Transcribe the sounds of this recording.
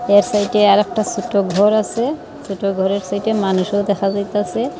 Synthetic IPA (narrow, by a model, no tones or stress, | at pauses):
eɾsajʈeaɾɛk̚ʈasuʈoɡʱɔɾasʰe | suʈoɡʱɔɾeɾsajʈemanuʃowd̪ɛxʰazajt̪asʰe